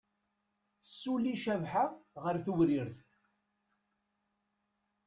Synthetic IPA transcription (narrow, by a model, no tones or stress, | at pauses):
sːulːiʃævħaʁəɾθuwɾiɾθ